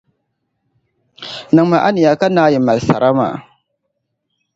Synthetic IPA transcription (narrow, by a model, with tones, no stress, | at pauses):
nɨ˨ŋma˨ʔa˦nɪ˨ja˨ka˦naː˦jɪ˨ma˨lsa̰˨ɾʔa˦ma̰ː˨